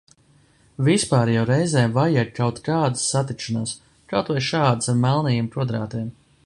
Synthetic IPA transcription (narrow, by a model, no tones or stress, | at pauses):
vispaːɾjawɾɛjzɛːvajɛt̪̚kawt̪kaːd̪ɨsːat̪ik̪ʃanaːs | kawt̪vajʃaːd̪ɨsaɾmɛlˠnɛjiːmpɾuɔd̪ɾaːt̪ijɛm